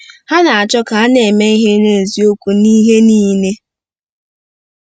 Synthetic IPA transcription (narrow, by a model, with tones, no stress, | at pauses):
ha˦na˨a˨t͡ʃɔ˦ka˨a˦ne˨me˦i˦ɦe˦ne˦n̩˨zi˨o˦kʷu˨niː˦ɦe˦niː˦ne˦